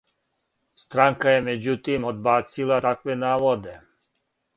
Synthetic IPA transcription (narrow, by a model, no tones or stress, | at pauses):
st̪ɾaŋkajɛmɛd͡ʒut̪iːmɔd̪̚baːsilat̪akʋɛnaːʋɔd̪ɛ